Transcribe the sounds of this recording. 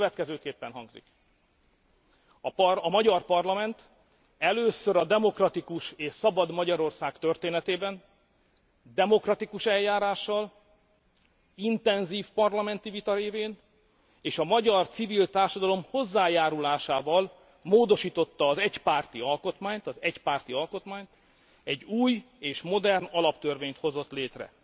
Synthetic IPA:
vɛt̪kɛzøːkeːpːɛnɦɒŋɡzḭk | pɒmɒɟɒrpɒrlɒmɛnt̪ | ɛløːsøɾɒd̪ɛmo̞krɒt̪ikuʃeːʃsɒbɒd̪mɒɟɒɾo̞rsaːkt̪ørt̪eːnɛt̪eːbɛn | d̪ɛmo̞krɒt̪ikuʃɛlːaːɾaːʃːɒl | int̪ɛnziːfpɒrlɒmɛnt̪ivit̪ɒɾeːveːn | eːʃɒmɒɟɒrt̪sivilt̪aːrʃɒd̪ɒlo̞mho̞zːaːjaːɾulaːʃaːvɒl | moːd̪o̞ʃiːt̪o̞t̪ːɒːzɛcpaːrt̪iɒlko̞t̪maːɲt̪ɒzɛcpaːrt̪iɒlko̞t̪maːɲt̪ | ɛɟuːj | eːʃmo̞d̪ɛrnɒlɒpt̪ørveːɲt̪ho̞zo̞t̪leːt̪rɛ̰

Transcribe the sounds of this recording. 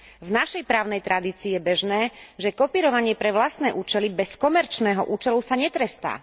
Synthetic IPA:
vnaʃɛjpɾaːʊnɛjt̪ɾad̪iːt͡siːjɛbɛʒnɛːʒɛkɔpiːɾɔʋaɲɪɛpɾɛʋlast̪nɛːʔuːt͡ʃɛlibɛskɔmɛɾt͡ʃnɛːɦɔʔuːt͡ʃɛlusaɲɛt̪ɾɛst̪a̰ː

